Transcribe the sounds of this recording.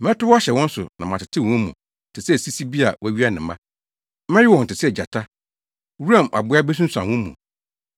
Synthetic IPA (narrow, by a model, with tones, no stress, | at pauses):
mɛ̃˦tʊ˦wɕɛ˨wɔ̃˦n̩˦sʊ̰˨nã̰˨mã˨tɪ˨tʰɪ̃˦˨wɔ̃˦mũ˨ | tʰɪ˨sɛ˦˨si˦si˦bi˦a˨wɔ˦æ˦ɥi˦a˦nɪ̃˨mã̰˦ | mɛ̃˦jɪ˦wɔ̃˨n̩˨tɪ˨sɛ˨d͡ʑa˨tʰa˦ | wu˦ã˨mʔa̰˨bʊ˨˦a˦bɛ˦s̬ũ˦sã̰˨wɔ̃˦mṵ̃˨